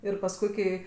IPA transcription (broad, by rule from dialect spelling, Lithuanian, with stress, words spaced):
ɪr pɐsˈkʊɪ kɐɪ